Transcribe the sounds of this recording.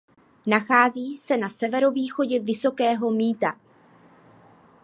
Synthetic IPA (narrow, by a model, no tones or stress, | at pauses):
naxaːziːsɛnasɛvɛɾo̞viːxo̞ɟɛvɪso̞kɛːɦo̞miːt̪a̰